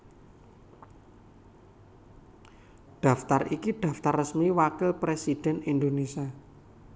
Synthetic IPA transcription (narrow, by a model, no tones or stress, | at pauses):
ɖ̪̥ä̤ft̪arikiɖ̥ä̤ft̪arːəsmiwakɪlpɾesid̥ɛ̤nind̪onesia